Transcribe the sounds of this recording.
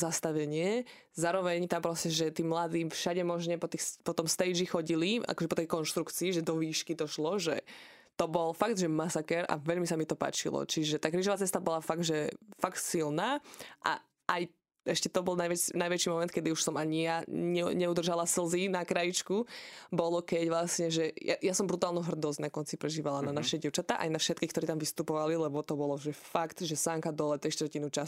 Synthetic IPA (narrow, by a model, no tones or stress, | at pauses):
zast̪aʋɛɲɪɛ | zaːɾɔʋɛɲt̪ampɾɔscɛʒɛt̪iːmlad̪iːfʃaɟɛmɔʒɲɛpɔt̪ixspɔt̪ɔmst̪ɛjd͡ʒixɔɟilia̰kɔʒɛpɔt̪ɛjkɔnʃt̪ɾukt͡siːʒɛd̪ɔʋiːʃkid̪ɔʃlɔʒɛ | t̪ɔbɔlfaɡd̪ʒɛmasakɛɾa̰ʋɛʎmisamit̪ɔpa̰ːt͡ʃḭlɔ̰t͡ʃiʒɛt̪aːkɾiːʒɔʋat͡sɛst̪abɔlafaɡ̚d̪ʒɛfakt̪silnaːʔa̰ | aj | ʔɛʃcɛt̪ɔbɔlˠnajʋɛnajʋɛt͡ʃimɔmɛnt̪̚kɛd̪iuʃsɔmaɲijaɲɛɲɛud̪rʒalasl̩ˠzinakɾajit͡ʃkubɔlɔkɛɟʋlasɲɛʒɛja̰jasɔmbɾut̪aːlˠnuɦr̩d̪ɔzɟnakɔnt͡sipɾɛʒiːʋalananaʃɛɟɪɛʊt͡ʃat̪aʔa̰jnafʃɛt̪kixkt̪ɔɾiːt̪amʋist̪upɔʋalilɛbɔt̪ɔbɔlɔʒɛfakt̪ʒɛsaŋkad̪ɔlɛt̪ɾiʃt̪ɾcinut͡ʃa